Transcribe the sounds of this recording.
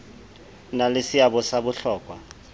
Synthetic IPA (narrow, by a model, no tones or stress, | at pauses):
nalesiabɔsabʊɬɔːkʼwa